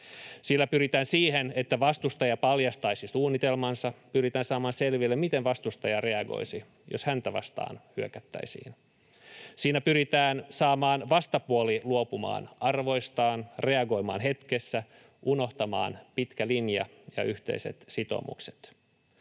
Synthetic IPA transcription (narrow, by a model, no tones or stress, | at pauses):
silːæpyɾit̪æːnsiːhenet̪ːæʋɑst̪ust̪ɑjɑpɑljɑst̪ɑisisuːnːit̪elmɑnsɑpyɾit̪æːnsɑːmɑːnselʋilːemit̪enʋɑst̪ust̪ɑjɑre̞ɑɡo̰isi | joshænt̪æʋɑ̰st̪ɑ̰ːnhyøkæt̪ːæ̰isḭːn | siːnæpyɾit̪æːnsɑːmɑːnʋɑst̪ɑpuoliluopumɑ̰ːnɑrʋo̞ijst̪ɑːnre̞ɑɡo̞imɑ̰ːnɦe̞t̪kesːæ | ʔuno̞ht̪ɑmɑ̰ːnpit̪kælinjɑ̰ | jɑ̰yht̪ḛisḛt̪sit̪o̰mṵkse̥t̪